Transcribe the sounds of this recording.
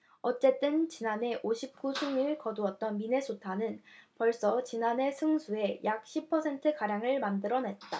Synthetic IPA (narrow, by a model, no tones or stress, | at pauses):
ʌt͡ɕ͈e̞t͈ɯnt͡ɕinane̞ʔoɕʰip̚k͈usʰuŋiɭkʌduʌt̚t͈ʌnmine̞sʰotʰanɯnpʌɭs͈ʌt͡ɕinane̞sʰɯŋsʰue̞jʔak̚ɕ͈ʰipʰʌsʰe̞ntʰɯkaɾjaŋɯɭmandɯɾʌne̞t̚t͈a